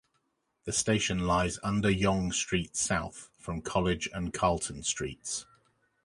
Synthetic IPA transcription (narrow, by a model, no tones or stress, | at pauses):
ðəsteɪʃə̃nlaɪzʌ̃ndəjɒ̃ŋstɹ̥iˑtsaʊθfɹə̃mkʰɒlɪd͡ʒə̰̃nkʰɑːˑlˠtə̃n̩stɹ̥ḭˑts